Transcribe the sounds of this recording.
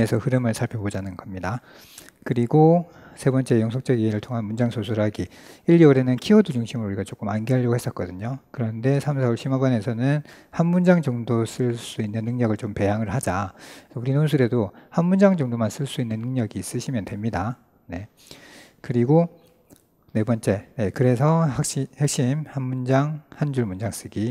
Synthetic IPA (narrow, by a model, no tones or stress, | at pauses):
esʰʌhɯɾɯmɯɭsʰaɭpʰjʌbod͡ʑanɯnɡʌmɲida | kɯɾiɡo | sʰe̞bʌnt͡ɕ͈e̞jʌŋsʰʌk̚t͡ɕ͈ʌɡiɦeɾɯɭtʰoŋɦanmund͡ʑaŋsʰosʰuɾɯɦaɡiiʎːiɾe̞nɯnkʰiʌdud͡ʑuŋɕʰimɯɾouɾiɡat͡ɕok͈ɯmanɡeɦaʎːʌɡohes͈ʌt̚k͈ʌdɯɲokɯɾʌnde̞sʰamsʰauɭɕʰimabane̞sʰʌnɯnhanmund͡ʑaŋd͡ʑʌŋdos͈ɯɭs͈uinːɯnːɯŋɲʌɡɯɭt͡ɕompe̞jaŋɯɭhad͡ʑauɾinonsʰuɾe̞dohanmund͡ʑaŋd͡ʑʌŋdomans͈ɯɭs͈uinːɯnːɯŋɲʌɡiːs͈ɯɕʰimjʌndwe̞mɲida | ne̞ | kɯɾiɡo | ne̞bʌnt͡ɕ͈e̞ne̞kɯɾe̞sʰʌhak̚ɕ͈ihek̚ɕ͈imhanmund͡ʑaŋhand͡ʑuɭmund͡ʑaŋs͈ɯɡi